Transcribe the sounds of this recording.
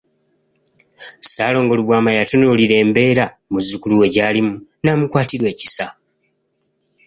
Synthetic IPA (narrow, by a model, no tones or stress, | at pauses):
saːlo̞ːŋɡo̞luβwaːmajatunoliɾe̞ːmbe̞ːɾa | muzukuluwe̞ɟaːlimunamukwaːtiɾwe̞ːci̥sa